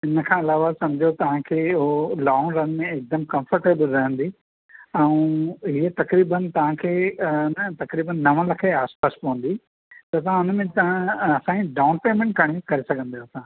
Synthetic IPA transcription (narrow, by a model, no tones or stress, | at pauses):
ɪnəkʰãːɪlaːʋasɐ̃md͡ʑʱot̪ɐʋ̤ãkʰeːɦolaːnɾɐnmẽɪk̚d̪əmkɐ̃mfəɾʈeːbəlɾɐɦə̃nd̪i | ɛ̃ũɦiːət̪ɐkɾiːbənt̪ɐʋ̤ãkʰeːnət̪ɐkɾiːbənːɐʋə̃lɐkʰeaːspaːspɐʋə̃n̆d̪i | t̪ɐt̪̬ɐɦãʊnmẽt̪ɐãɐsãːĩɖaːʊ̃npeːmẽɳʈ̚ɡɐɽ̃ekɐɾesɐɡʱə̃nd̪aːsãː